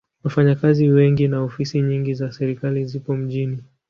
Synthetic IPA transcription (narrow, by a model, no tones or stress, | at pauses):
wafaɲakaziwɛŋɡinaɔfisiɲiŋɡizasɛɾikalizipɔm̩ʄini